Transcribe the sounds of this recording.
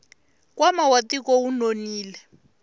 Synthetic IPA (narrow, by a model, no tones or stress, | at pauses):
kwamawatikɔunoniːlɛ